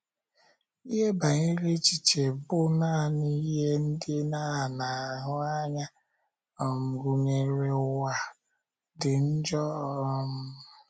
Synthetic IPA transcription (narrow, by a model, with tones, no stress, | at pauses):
i˦ɦe˦ba˨ŋi˦ɾe˦t͡ʃi˨t͡ʃe˨bʊ˦na˦˨ni˦ɦe˦n̩˦dɪ˦na˦˨na˨a˨ɦʊ˦a˦ɲa˦ | ɔ˨ŋ̩˨ɡu˦ŋe˨ɾe˦wa˨ | dɪ˨n̩˦d͡ʒɔ˦˨˦mʊ˦